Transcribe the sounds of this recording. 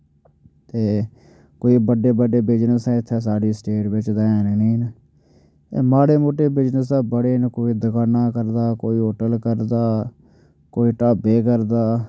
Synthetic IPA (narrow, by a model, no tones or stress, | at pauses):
t̪eː | koːiːbəɖeːbəɖeːbɪd͡ʒnəsɛ̃ːɪt̪ʰːeːs̬aːɖiːsʈeːʈbɪt͡ʃd̪aːẽːneniːn | eːmaːɽeːmoːʈeːbɪd͡ʒnəsɛ̃ːbəɽeːnkoːiːd̪əkaːnaːkəɾd̪aːkoːiːɦoːʈəlkəɾd̪aː | koːiːʈaːbeːkəɾd̪aː